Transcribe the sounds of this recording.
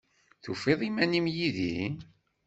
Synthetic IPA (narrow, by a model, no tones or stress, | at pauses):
θufeðˤimænimjiði